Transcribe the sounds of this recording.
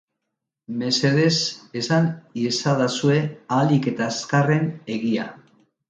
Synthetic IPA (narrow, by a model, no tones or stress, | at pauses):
me̞se̞ðe̞se̞saniesaðasue̞alike̞t̪askare̞ne̞ɣia̰